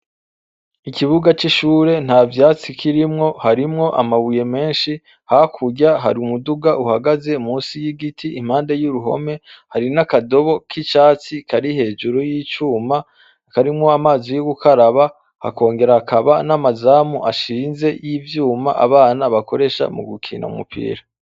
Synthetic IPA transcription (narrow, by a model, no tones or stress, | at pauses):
ikiβuɡat͡ʃiʃuːɾe̞n̥haːvjaːt͡sikʰiɾimŋo̞haɾimŋo̞ʔa̰maβuje̞me̞ːnʃi | hakʰuɟaɦa̰ɾiumuduɡaʔuhaɡaze̞umuːsijiɡitʰiʔim̥aːnde̞juɾuɦo̞̰me̞haɾinakado̞βo̞kʰit͡ʃaːt͡sikʰaɾihe̞ːd͡ʒuɾujiːt͡ʃuːma | kaɾimŋo̞amaːzijoɡukʰaɾaβa | ha̰ko̞ːŋɡe̞ɾakʰaβanamazaːmuʔaʃiːnze̞jivjuːma̰ʔa̰βaːnaβakʰo̞ɾe̞ʃa̰mṵɡukʰḭːna̰ṵmṵpʰḭːɾa